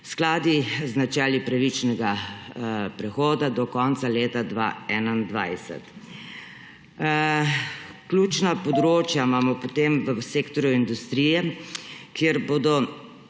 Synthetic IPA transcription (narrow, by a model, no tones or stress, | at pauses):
sklaːd̪iznat͡ʃɛːlipɾaʋit͡ʃnɛɡa | pɾɛxoːd̪ad̪ɔkɔnt̪saleːt̪ad̪ʋa̰ɛnand̪ʋa̰jsɛ̰t̪ | klʲjuːt͡ʃnapɔd̪ɾoːt͡ʃjamaːmɔpot̪emʋəseːkt̪ɔɾjuind̪ust̪ɾiːjɛkjeɾboːd̪ɔ